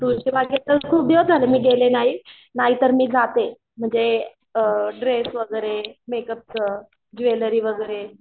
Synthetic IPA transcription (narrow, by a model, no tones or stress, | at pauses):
t̪ut͡ɕebaɡet̪əɾkʰuːb̚d̪eʋd͡zʱalemiːɡelenaɦi | naɦit̪əɾmiːd͡zat̪e | m̤əɳd͡ze | ɖɾesʋəɡəɾemekəp̚t͡sə | d͡ʑʋeləɾiːʋəɡəɾe